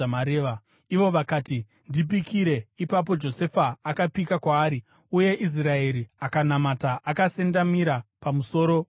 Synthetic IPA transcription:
maɾeːʋa | iʋo̞ʋakaːti | ndip̬ikʰiɾe̞ipap̬o̞d͡ʒo̞se̞faːkapikakwaːɾi | uje̞ʔis̬rae̞ɾiakanamataʔakase̞ndamiɾapamuso̞ːɾo̞

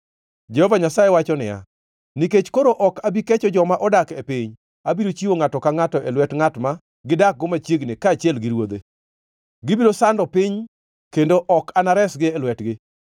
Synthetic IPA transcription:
d͡ʒɛhɔvaɲasajɛwat͡ʃɔnɪja̰ | niket͡ʃkoɾoʔɔkabiket͡ʃɔd͡ʒɔmaʔɔdakepɪɲ | abiɾot͡ʃiwoŋatɔkaŋatɔʔelwɛtŋatma | ɡɪdak̚ɡɔmat͡ʃjeɡnɪkaːt͡ʃjɛlɡɪɾwod̪e | ɡɪbiɾosandɔpɪɲ | kendoʔɔkanaɾɛsɡɪelwɛtɡɪ

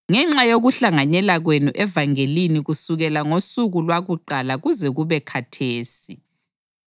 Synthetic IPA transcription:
ŋɛŋ͡ǁajoɣuɬaŋanɛlaɣwenuʔɛvaŋeliniɣusuɣɛlaŋosuɣulwaɣuǃalaɣuzɛɣuβɛkʰatʰeːsi

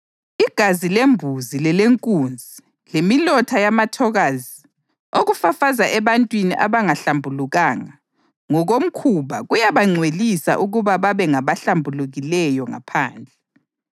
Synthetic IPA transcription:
iɡ̥ʱazilembʱuzilɛleŋkʼund͡zʱi | lemilɔtʰajamatʰɔɣazi | oɣufafazaʔɛβantʼwiniʔaβaŋaɬambʱuluɣaːŋa | ŋɔɣom̩kʰuβaɣujaβaŋ͡ǀʱwelisa̰ʔuɣuβaβaβɛŋaβaɬambʱuluɣilɛjɔŋa̰pʰa̰ːnd͡ɮʱɛ

